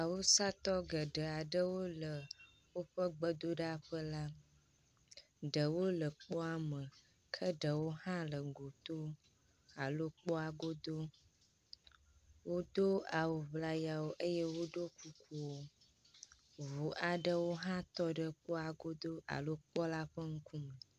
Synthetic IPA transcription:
a˨wo˦sa˦t̪ɔ˦ɡə˨ɖə˨a˨ɖə˦wo˦lə˨ | wo˦ɸə˦ɡ͡bə˦d̪o˦ɖa˦ɸə˦la˦ | ɖə˨wo˦lə˨k͡pɔ˦a˨mə˨ | kʰə˦ɖə˨wo˦hã˦lə˨ɡo˨t̪o˦ | a˨lo˦k͡pɔ˦a˨ɡo˦d̪o˦ | wo˦d̪o˦a˨wo˨vla˦ja˨wo˦ʔə˦jɛ˦wo˦ɖo˦ku˦ku˦wo˦ | vu˨ʔa˨ɖə˦wo˦ɦã˦t̪ɔ˦ɖə˦k͡pɔ˦a˨ɡo˦d̪o˦a̰˨lo˦k͡pɔ˦la˦ɸə˦ŋ̩˦kʰu˦mə˨

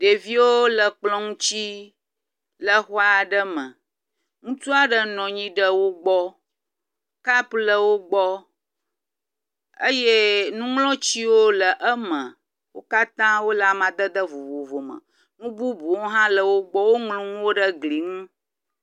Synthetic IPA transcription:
ɖe˨vi˦wo˦lə˨k͡plɔ̃˦ŋũ˦t͡ɕi˦ | lə˦xɔ˦a˦˨ɖə˦mə̰̃˨ | ŋũ˦t͡ʃu˦a˦ɖə˦nɔ̃˨ɲĩ˦ɖə˦wo˦ɡ͡bɔ˦ | ka˦plə˨wo˦ɡ͡bɔ˦ | ə̰˦je˦nũ˦ŋlɔ̃˦t͡ɕi˦wo˦lə˨ʔə˦mə̃˨ | wo̰˦ka˦t̪ã˦wo˦la˨mã˨d̪ə˦d̪ə˦vo˨vo˨vo˨mə̰˨ | nũ˦bu˦bu˨wo˦ɦã˦lə˨wo˦ɡ͡bɔ˦wo˦ŋlũ˦ŋũ˦wo˦ɖə˦ɡli˨ŋũ˦

